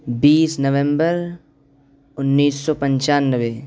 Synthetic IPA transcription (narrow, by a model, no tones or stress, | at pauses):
biːsnəʋɛ̃mbəɾ | ʊnːiːsːɔːpə̃ɲt͡ʃaːnːəʋe